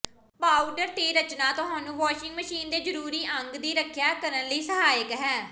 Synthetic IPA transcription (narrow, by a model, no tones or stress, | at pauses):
paːɖəɾt̪eːɾət͡ʃnaːt̪ʊɦaːnũːʋaːʃɪŋɡməʃiːnd̪eːd͡ʒəɾuːɾiːʔəŋɡd̪iːɾəkʰjaːkəɾənləiːsəɦaːəkɦɛː